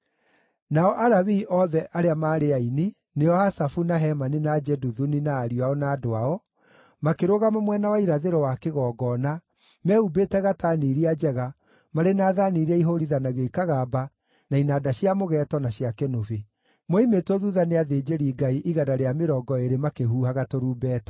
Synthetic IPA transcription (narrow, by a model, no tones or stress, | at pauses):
naɔʔaɾaβiːʔɔðɛʔaɾeamaːɾeaini | neɔasafunaɦɛmanenad͡ʒɛduðuninaːɾiaɔnaːdoaɔ | makeɾoɣamamwɛnawaiɾaðeɾɔwakeɣɔɡɔna | mɛubeːtɛɣataniɾiad͡ʒɛɣa | maɾenaːðaniːɾɛiɦoɾiðanaɣoikaɣaba | nainadaɕiamoɣɛtɔnaɕiakɛnove | moimetɔðuðaneaðeːd͡ʒeɾiːɡaiʔiɣadaɾeameɾɔːɡɔeɾemakeɦuːhaɣatoɾuːbɛːtɔ̥